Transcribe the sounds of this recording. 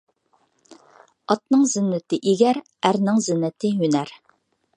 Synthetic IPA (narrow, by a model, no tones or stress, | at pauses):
ɑt̪̚nɨŋzɪnːɪt̪ɪʔiɡʲæɾ | æɾnɪŋzɪnːɪt̪ʰɪɦynæɾ